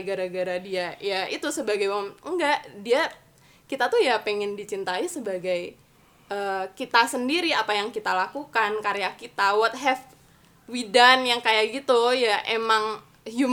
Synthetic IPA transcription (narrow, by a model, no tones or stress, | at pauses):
ɡaɾaɡaɾadiajait̪usəbaɡajwaməŋɡaʔdia | kit̪at̪ujapeŋɪndit͡ʃint̪aisəbaɡaj | ʔəːkit̪asəndiɾiapajaŋkit̪alakukankaɾejakit̪awɔt̪̚ɦɛf | widanjaŋkajaʔɡit̪ujaʔemaŋ | ju